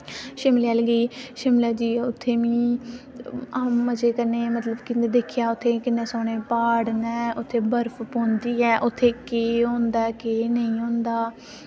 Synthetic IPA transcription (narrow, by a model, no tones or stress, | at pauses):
ʃɪmlɛːlɡəiːʃɪmlɛːd͡ʒiːʊt̪ʰːeːʋĩː | amːəd͡ʒeːkəɾneːmət̪ləbkɪned̪eːkʰjaːʊt̪ʰːeːkɪnːẽːsoːɽ̃eːpaːɽnɛːʔʊt̪ʰːeːbəɾpʰpõːnd̪iːɛːʔʊt̪ʰːeːkeːɦõːnd̪aːɛkeːnəĩːɦõːnd̪aː